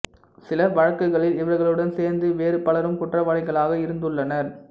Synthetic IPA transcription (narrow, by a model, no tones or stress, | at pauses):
sɪlɐʋɐɻɐkːɯɣɐɭɪlɪʋɐɾɣɐɭɯɽɐnseːɾnd̪ɯʋeːɾɯpɐɭɐɾɯmkʊʈrɐʋɐːɭɪɣɐɭaːɣɐɪɾɯnd̪ɯɭːɐnɐɾ